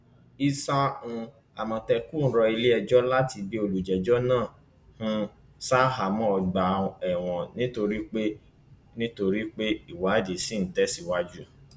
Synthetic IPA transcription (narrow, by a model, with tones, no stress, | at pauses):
i˧sa˦ũ˧ | a˨mɔ̃˧tɛ˧ku˦˨n̩˦ɾɔ˧i˧le˦ɛ˧d͡ʒɔ˦la˦ti˧bi˦o˧lu˨d͡ʒɛ˨d͡ʒɔ˦nãː˦˨ | hũ˦ | sa˦˨ɦa˨mɔ̃˦ɔ˧ɡ͡ba˨ɛ˨w̃ɔ̃˨nĩ˦to˧ɾi˦k͡pe˦ | nĩ˦to˧ɾi˦k͡pe˦i˦˨wa˨˦de˨si˨˦n̩˨tɛ˦si˧wa˦d͡ʒu˦